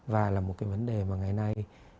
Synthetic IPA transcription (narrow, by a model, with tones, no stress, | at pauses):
vaː˨˩laː˨˩mo˨˩kaː˨˦və˨˦nɗe˨˩maː˨˩ŋa˨˩jna˧j